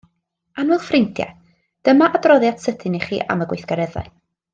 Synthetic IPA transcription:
anwʊlˠfrɪntʰjɛ̰ | d̥əmaʔadrɔðjadsətʰɪniχḭːʔa̰məɡwɪjθɡ̥aɾɛða̰

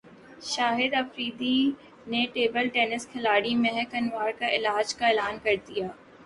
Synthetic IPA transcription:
ʃaːɦɪd̪ɐfɾiːd̪i | neʈeːbəlʈeːnɪskʰɪlaːɽimẽɦkɐnʋaːɾkaʔɪlaːd͡ʒkaeːlaːnkɐɾt̪ijaː

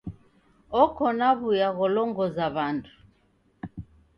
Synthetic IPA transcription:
ɔkɔnaβujaɣɔlɔŋɡɔzaβantʰu̥

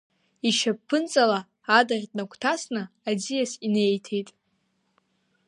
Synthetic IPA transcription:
iʃappʰːɨnt͡sʼalaː | darʲtʼnakʷʰtʰasnɨazijasine̞jtʰejtʼ

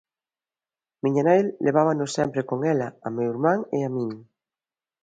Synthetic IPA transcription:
mĩɲanajlːʔeβ̞aβanosɛmpɾekoŋelaamewiɾmãŋeamĩɲ

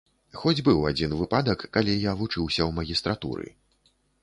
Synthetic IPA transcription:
xɔd͡zʲbɨwad͡zʲinvɨpad̪ɐkːalʲijavut͡ʂɨwsʲɐwmɐɣʲist̪ɾat̪ṵɾɨ̰

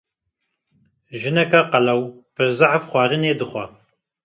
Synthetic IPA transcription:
ʒɪnɐkʰɐqɐlɐwpʰɨrzɨħafχʷɑːɾɨneːdɨχʷɔ

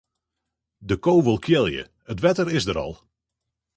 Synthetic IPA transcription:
dəkoːʋəlˠkʰjɪlˠjə̰ | ətʋɛtəɾɪsdəɾɑ̰lˠ

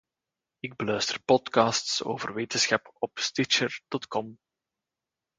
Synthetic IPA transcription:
ɪɡ̚bəlœɥstərpɔtkɑːstso̰ːvərʋeːtənsxɑpɔpstɪt͡ʃərd̥ɔtkɔm

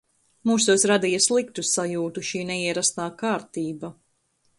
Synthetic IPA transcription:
muːsusɾad̪ijɐslˠik̚t̪usajuːt̪uʃiːnɛiɛɾast̪aːkaːɾt̪iːbɐ

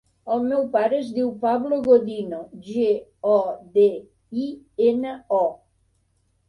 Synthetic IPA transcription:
əlˠmɛwpaɾəːzdiwpaβloɣoðinoʒeɔd̪e | i | enəɔ

